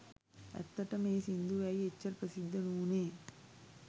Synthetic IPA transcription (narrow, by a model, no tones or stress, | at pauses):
ɐ̰t̪ːɐʈɐmeːsind̪uʋɐjet͡ʃːɐɾpɐsid̪ːɐnuːneː